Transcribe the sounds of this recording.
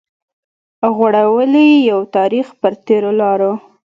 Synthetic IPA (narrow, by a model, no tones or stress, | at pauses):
ɣwaɽawəlijawt̪ɑɾixpəɾt̪eɾolɑɾo